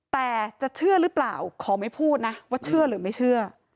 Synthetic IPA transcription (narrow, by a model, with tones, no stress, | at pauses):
t̪ɛː˨˩t͡ɕa˨˩ʔt͡ɕʰɯ˥˩ɐɾɯ˦˥pla̰ː˨˩wkʰɔː˨˦ma˥˩jpʰuː˥˩t̪̚na˦˥waː˥˩t͡ɕʰɯ˥˩ɐɾɯː˩˦ma˥˩jt͡ɕʰɯ˥˩ɐ